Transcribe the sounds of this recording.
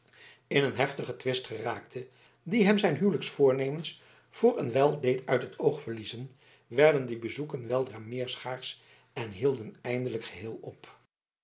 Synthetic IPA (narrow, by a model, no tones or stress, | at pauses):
ɪnənɦɛftəχətʋɪstχəraːk̚tʰə | diɦɛmzɛjnɦywləksfʊːɹnejməns | v̥ʊːɹənʋɛlˠdejtʰœɥtɦətʰowχfəɹlizən | ʋɛɹdəndibəzukənʋɛlˠdraːmɪːɹsχaːɹs | ɛnɦilˠdənɛjndələkχəɦɪːlˠɔp